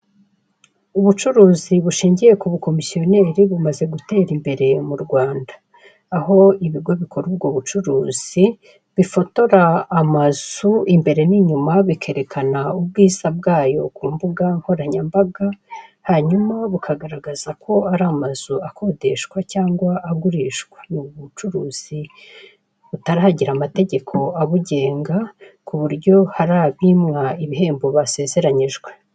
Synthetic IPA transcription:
uβut͡ʃuɾuːziβuʃiːɲɟije̞kuβuko̞misio̞ne̞ːɾiβumaze̞ɡute̞ːɾimbe̞ɾe̞muɾɡwaːndḁː | ho̞iβiɡo̞βikʰo̞ɾub̚ɡoːβut͡ʃuɾuːz̥i | βifo̞to̞ɾaːmaz̥uimbe̞ɾe̞niɲumaβikʰe̞ɾe̞kʰanaubɡiːz̥ab̚ɡaːjo̞̰kuːmbuɡaŋ̥ho̞ɾaɲambaɡahaɲumaβukʰaɡaɾaɡazakʰo̞aɾaːmaz̥uako̞de̞ʃkwacaːŋɡwaʔːɡuɾiʃɡwḁnuβut͡ʃuɾuːz̥i | βutaɾihaɟiɾamate̞ɟe̞kʰo̞aβuɟe̞ːŋɡakuβuɾɟo̞haɾaːβimŋaiβiɦe̞ːmboβase̞ːze̞ɾaɲiʒɡwe̞

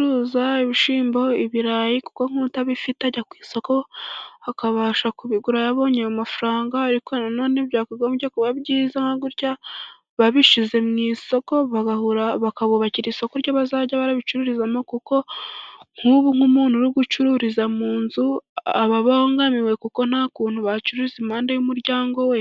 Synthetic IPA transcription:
ɾuzaiβiʃiːmbo̞iβiɾajiku̥ko̞ŋ̥hutaβifitaɟakwiːso̞ko̞akaβaʃakuβiɡuɾajaβo̞ːɲejamafuɾaːŋɡaːɾikonanoneβɟaːkuɡoβɟokuβaβɟiːzaŋaɡuɾɟa | βaβiʃize̞mŋiːso̞ko̞βaɡahuɾaβakaβoβaciɾiːso̞koɾjɟoβazaːɟaβaɾaβit͡ʃuɾuɾizamokuko̞ | ŋ̥huβuŋ̥umuːn̥uɾiɡut͡ʃuɾuɾizamuːnzuaβaβaoŋɡamiwe̞kuko̞n̥haːkuːnhuβat͡ʃuɾuɾizimhaːndajumuɾɟaːŋɡo̞we

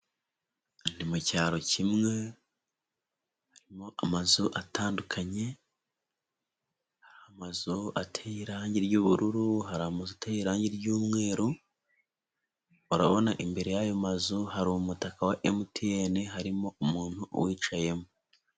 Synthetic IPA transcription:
nimucaːɾo̞cimŋe̞ | haɾimo̞ʔamazuʔataːndukʰaɲe̞ | haɾhamazuatʰejiɾaːɲɟiɾɟuβuɾuɾuɦaɾahamazutejiɾaːɲɟiɾɟuːmŋe̞ːɾo | uɾa̰βo̞naʔimbe̞ɾe̞jajo̞mazuhaɾuumutakawaʔemutʰieneɦaɾimo̞ʔumuːn̥huʔwiːt͡ʃaje̞mo

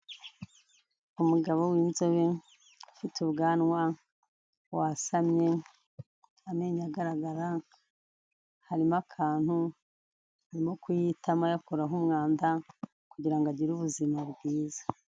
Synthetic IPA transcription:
umuɡaβo̞wiːnzo̞βe | fituβɡaːnwa | wasamɲe̞ | ame̞ːɲaɡaɾaɡaɾa | haɾimakʰaːn̥hu | haɾimo̞kujitʰamajakoɾaɦumŋaːnda | kuɟiɾaŋɡaɟiɾuβuzimaβɡwiːzḁ

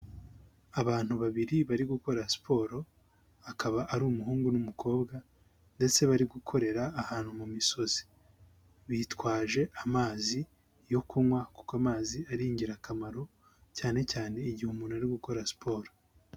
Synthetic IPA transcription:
aβaːn̥uβaβiɾiβaɾiɡuko̞ɾasi̥pʰo̞ːɾo̞ | akaβaʔaɾuːmuɦuːŋɡunumukʰo̞ːbɡa | nde̞t͡se̞βaɾiɡukʰo̞ɾe̞ɾaːhaːn̥humumiso̞z̥e̥ | βitwaːʒe̞ʔamaːzi | jo̞kumwaku̥koamaːziaɾiɲɟiɾakamaɾo̞ | caːne̞caːne̞iɟihumunaɾiɡuko̞ɾasi̥pʰo̞ːɾo

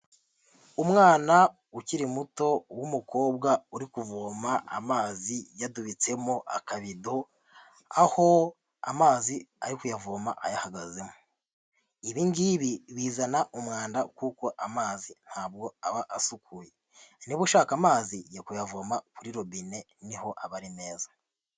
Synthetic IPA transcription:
umŋaːna | uciɾimuto̞wumuko̞ːbɡauɾikuvoːmaa̰maːzijaduβit͡se̞moʔa̰kaβido̞ | aho̞ | a̰maːziaɾikujavoːma̰ʔajahaɡaze̞mo̥ | iβiŋɡiβiβiːzanaʔumŋaːndakuːko̞ʔamaːzin̥haːbɡo̞aβaʔasukʰuje | niβuʃaːkamaːzijakujavomakuɾiɾo̞βine̞ | niho̞ʔaβaɾine̞ːzḁ

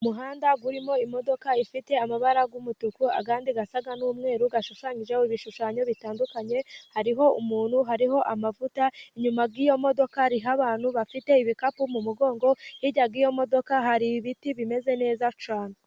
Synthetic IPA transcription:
umuɦaːndaɡuɾimo̞imo̞do̞kaifite̞amaβaɾaɡumutukua̰kaːndiɡasaɡanuːmŋe̞ːɾuɡaʃuʃaːɲiʒeoiβiʃuʃaːɲo̞βitaːndukaɲe̞haɾiɦo̞umuːn̥huɦaɾiɦo̞ʔamavutaiɲumab̚ɡiːjo̞mo̞do̞kaɾiɦaβaːn̥huβafite̞iβikapumumuɡo̞ːŋɡo̞hiɟaɡiːjo̞mo̞do̞kaɦaɾiβitiβime̞ze̞ne̞ːzat͡ʃaːnu

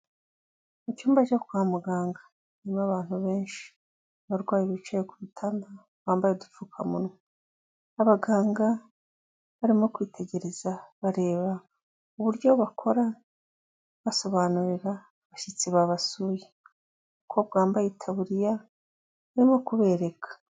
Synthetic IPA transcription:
it͡ʃuːmbat͡ʃokuwaːmuɡaːŋɡḁ | nimaβaːn̥huβe̞ːnʃi̥ | βaɾɡwaːjiβit͡ʃejekuβutʰanda | βaːmbajedufuːkʰamuno | aβaɡaːŋɡa | βaɾimo̞kwiːtʰe̞ɟe̞ɾe̞z̥aβaɾe̞ːβa | uβuɾɟo̞βakʰo̞ɾa | βaso̞βaːnuɾiɾa | βaʃit͡siβaβasuːje | ukʰoβ̚ɡaːmbajetʰaβuɾija | βaɾimo̞kuβe̞ːɾe̞kʰḁ

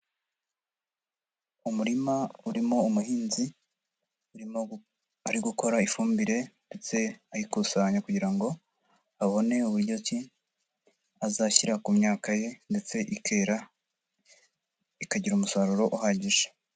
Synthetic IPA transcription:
umuɾimauɾimoumuhiːnzi | u | aɾiɡuko̞ɾaifuːmbiɾe̞ndet͡se̞ajikusaɲakuɟiɾaŋɡo̞ | aβo̞ne̞uβuɾɟo̞ci | azaçiɾakumɲaːkaje̞nde̞t͡se̞ʔikeɾa | ikaɟiɾumusaɾuɾo̞ʔuhaɟiʒe̥

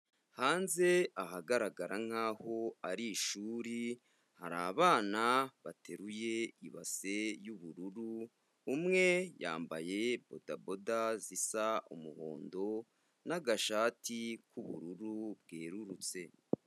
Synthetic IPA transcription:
haːnze̞ahaɡaɾaɡaɾaŋ̥haːho̞aɾiʃuːɾi | haɾaːβaːnaβatʰe̞ɾuje̞iβa̰se̞juβuɾuɾuː | mŋe̞ja̰ːmbaje̞b̥o̞dabo̞dazisaʔṵmuho̞̰ːndo̞ | naɡaʃaːtʰikuβuɾuɾub̚ɡeːɾuɾut͡se̞

